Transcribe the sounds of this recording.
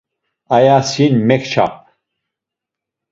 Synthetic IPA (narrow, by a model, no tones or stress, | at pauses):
ajasinmɛkt͡ʃʰa̰p̚